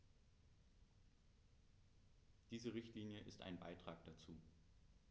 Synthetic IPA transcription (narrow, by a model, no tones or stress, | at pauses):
d̥iːzəʁɪçtliːnjəʔɪ̰stʔa̰ɪnba̰ɪtʁ̥aːk̚d̥at͡suː